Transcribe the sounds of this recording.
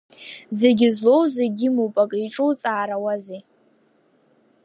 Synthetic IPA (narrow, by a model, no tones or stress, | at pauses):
ze̞ɡʲɪzlo̞wzeɡʲɪmupʼakʼiʈ͡ʂʼowt͡sʼaːɾawazi